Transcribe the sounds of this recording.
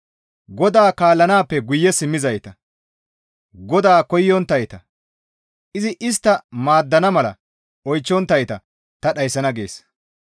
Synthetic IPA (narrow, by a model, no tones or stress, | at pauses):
ɡɔd̪aːkaːlːɐnaːpːɛɡʊjːɛsɪmːɪzɐjt̪ɐ | ɡɔd̪aːkɔjːɔnt̪ːɐjt̪ɐ | ʔɪzɪʔɪs̬t̪ːɐmaːd̪ːɐnɐmɐlɐ̰ | ɔjt͡ʃːɔnt̪ːɐjt̪ɐ | t̪ɐɗɐjsːɐnɐɡe̞̰ːs